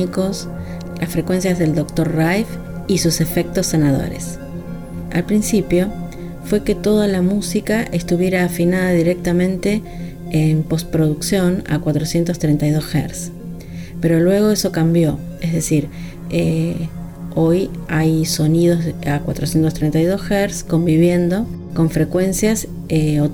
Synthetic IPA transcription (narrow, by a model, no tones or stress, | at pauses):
iko̞s | lʔasfɾe̞kwe̞nsjazðe̞ld̪o̞k̚t̪o̞rrajf | isuse̞fe̞k̚t̪osːenaðo̰ɾḛs | a̰lpɾinsipjo̞ | fwe̞ke̞t̪o̞ðalamusikaʔest̪uβje̞ɾaːfinaðaðiɾe̞k̚t̪amẽ̞nt̪e̞ː | mpo̞spɾoðuksjo̞na̰kwat̪ɾosje̞nt̪ost̪ɾejnt̪ajðo̞sxḛɾs | pe̞ɾo̞lwe̞ɣ̞o̞eso̞kambjo̞ezðe̞siɾ | e | o̞jajso̞nið̞o̞akwat̪ɾosje̞nt̪ost̪ɾent̪ajðosxeɾsko̞mbiβje̞nd̪o̞ | ko̞ɱfɾe̞kwe̞nsjas | eo